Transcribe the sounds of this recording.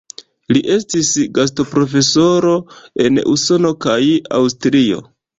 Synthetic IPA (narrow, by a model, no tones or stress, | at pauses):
liʔe̞stisɡas̬topɾo̞fe̞so̞ɾo̞e̞nṵso̞no̞kaja̰wstɾio̞̰